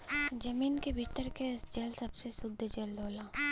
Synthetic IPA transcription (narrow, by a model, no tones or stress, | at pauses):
d͡ʒɐmiːnkebʱiːʈ̪əɾkesd͡ʒɐlsɐbsesʊd̪ʱːd͡ʒɐld̪ʱoːlaː